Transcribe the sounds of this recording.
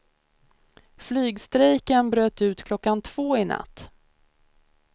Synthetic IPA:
flyːɡst̪ɾɛjkənbɾøːt̪ʉ̟ːt̪kʰlɔkːant̪ʰv̥oːɪna̰t̪ː

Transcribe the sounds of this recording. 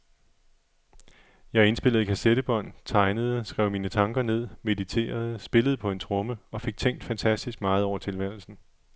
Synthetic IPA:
jɑ̈ɪe̝nsb̥e̝l̰ð̩ˠkʰæseɾ̥əb̥ɒ̽n̰t͡sʰɑ̈ɪnəð̞̩ˠəsɡ̥ʁɛ̰ʊmiːnət͡sʰɑ̈ŋɡ̥ɐne̝ð̞̰ˠme̝ðˠit͡sʰe̝̰ːɐð̞ˠsb̥e̝ləðˠpʰɒ̽e̝nt͡sʰʁɔ̽məɒ̽fe̝ɡ̥̚t͡sʰeŋ̰d̥fænt͡sʰæsd̥isɡ̥̚mɑ̈ːð̞̩ˠɒʊ̰ɐt͡sʰe̝lʋæɐl̩sn̩

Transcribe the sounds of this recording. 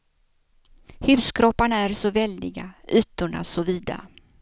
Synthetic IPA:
hʉ̟ːskʰɾɔpːaɳaæɾsɔvɛld̪ɪɡaʔy̟ːt̪ʊɳa̰sɔviːd̪a̰

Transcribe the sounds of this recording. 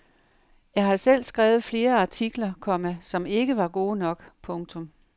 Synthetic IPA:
jɑ̈ɪɦɑ̈sel̰sɡ̥ʁaːʊð̩ˠfle̝ːɐɑ̈t͡sʰiɡ̥lɐkʰɒ̽mæsɒ̽me̝ɡ̥əʋɑ̈ɡ̥o̝̰ːnɒ̽ɡ̥pʰɔ̽ŋt͡sʰɔ̽m

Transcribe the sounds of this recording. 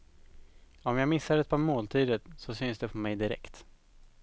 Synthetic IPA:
ɔmjɑːɡmɪsːad̪ɛt̪̚pʰɑmoːlt̪ʰiːd̪əɾsɔsʏnsd̪ɛpʰɔmɛjd̪ɪɾɛ̰kt̪

